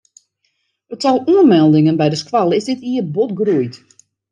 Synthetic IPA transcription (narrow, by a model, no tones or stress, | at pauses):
əttɔlˠuənmɛlˠdɪŋənbɛjdəskwalˠəɪzdɪtiəbotɡrujt